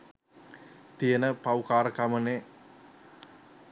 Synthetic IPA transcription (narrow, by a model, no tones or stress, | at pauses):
t̪ijənəpawkaːɾəkaməneː